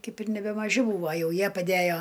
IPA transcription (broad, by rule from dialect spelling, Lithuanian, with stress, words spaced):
ˈkɐɪp ɪr nʲɛbʲɛmɐˈʒʲɪ ˈbuːʋɐ ˈjɛʊ ˈjiɛ pɐˈdʲæjoː